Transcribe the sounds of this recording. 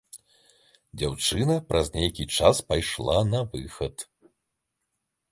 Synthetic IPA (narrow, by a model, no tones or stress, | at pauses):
d͡zʲawt͡ʂɨnɐpɾʔɐzʲnʲejkʲit͡ʂaspajʂlˠanɐvɨxɐt̪